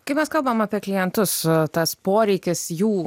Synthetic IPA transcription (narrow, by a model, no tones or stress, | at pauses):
kɐɪpmʲɛskɐlˠbɐmɐpʲiɛklʲɪjɛnt̪ʊst̪ɐspoːɾʲɛɪkʲɪsjuː